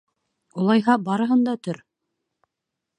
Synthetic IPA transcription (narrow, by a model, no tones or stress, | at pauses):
ulˠɑjɦɑbɑɾɤ̆ɦɤnd̪ɑt̪ɵɾ